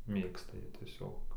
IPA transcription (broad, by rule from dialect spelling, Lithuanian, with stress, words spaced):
ˈmʲeːkstɐ ˈjiɛ tʲiɛˈsʲoːk